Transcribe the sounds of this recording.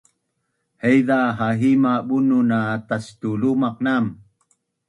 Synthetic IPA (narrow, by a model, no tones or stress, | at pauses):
hejdaɦaɦimabununat̪ast̪ulumaq̚nam